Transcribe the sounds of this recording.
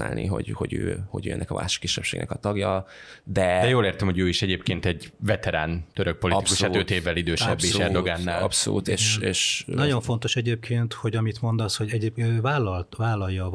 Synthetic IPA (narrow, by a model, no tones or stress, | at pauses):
a̰ːlnḭɦo̞̰ɟhoɟø̰ːho̰ɟø̰ːɛ̰nːɛ̰kɒ̰ʔa̰ːʃɒ̥kːiʃːɛpʃeːɡnɛ̰kɒt̪ɒɡjɒd̪ɛd̪ɛjoːleːrt̪ɛmhoɟøːiʃɛɟeːp̚keːnt̪ɛɟvɛt̪ɛɾaːnt̪øɾøk̚po̞liiu̥ʃaøt̪eːvːɛlid̪øːʃɛ̰bːiɛrd̪o̞ɡaːnːaːlɒ̰pso̰lṵːt̪eːʃeːʃnɒɟo̞ɱfo̞nt̪o̞ʃɛɟeːp̚kʰeːnt̪ho̞ɟɒmit̪mo̞nd̪ɒshoɟɛɟeːpːvaːlːɒlt̪vaːlɒjːɒ